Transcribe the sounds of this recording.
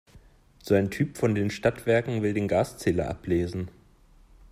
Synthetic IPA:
z̥oaɪntʰyːpfɔndeːnʃtatv̥ɛɐkŋ̩vɪldeːnɡaːst͡sɛːlɐʔa̰pleːzn̩

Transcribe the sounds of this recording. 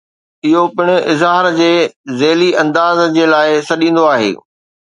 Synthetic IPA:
ɪɦopɪɽ̃ʊɪzɦaːɾd͡ʑeːzeːliɐ̃nd̪aːzd͡ʑeːlaːɪsɐɗĩːn̆d̪oaːɦḛː

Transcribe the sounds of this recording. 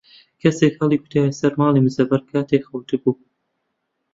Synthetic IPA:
kʰɐseːkhɐlˠiːkʰʊ̥t̪ʰaːjisɐɾmɑːlˠimɨzɐbɐɾkʰaːt̪ekxɐwt̪ʰɨbuː

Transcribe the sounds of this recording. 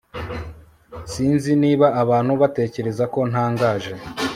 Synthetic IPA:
siːnziniːβaʔːβaːn̥huβate̞ːce̞ɾe̞zako̞n̥aːŋɡaːʒe̞

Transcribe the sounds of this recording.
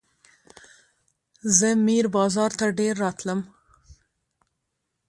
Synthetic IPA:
zəmiɾbɑːzɑɾt̪aɖeɾːɑt̪ləm

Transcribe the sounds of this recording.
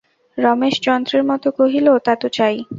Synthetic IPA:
ɾɔmeʃd͡ʑɔnd̪ɾeɾmɔt̪okoɦilot̪at̪ot͡ɕaj

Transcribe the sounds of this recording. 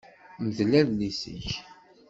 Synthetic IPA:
məðlæðlisə̰ç

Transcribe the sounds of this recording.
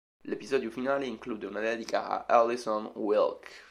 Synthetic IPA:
lepizɔd̪jufinaleiŋklud̪eunad̪ɛd̪ika̰ʔa̰ʔalisɔ̃nwilk

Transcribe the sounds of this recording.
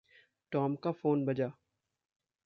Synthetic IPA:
ʈɔːmkafoːnbɐd͡ʒaː

